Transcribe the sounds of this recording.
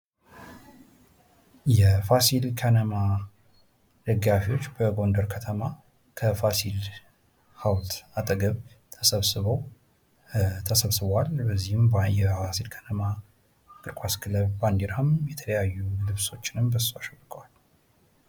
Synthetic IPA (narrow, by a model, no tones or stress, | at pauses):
jɛfasilkʰənəma | d̪̥əɡːafiwo̞t͡ʃːbəɡo̞nd̪əɾkʰət̪ʰəma | kʰəfasil | hawt̪at̪ʼəɡəβ | t̪ʰəsəβsɨβəw | t̪ʰəsəβsɨβalbəzːihɨmjɛfasilkʰənəma | kʼɨɾkʰʼaskʰɨləβband̪iɾamjɛt̪ʰələjajːulɨβso̞t͡ʃːɪnɨmbəsaʃbɨkʼwal